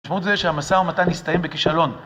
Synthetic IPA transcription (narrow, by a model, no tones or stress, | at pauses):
ʃmautzeʃehamasaʁmat̪anist̪ajembekiʃalo̞n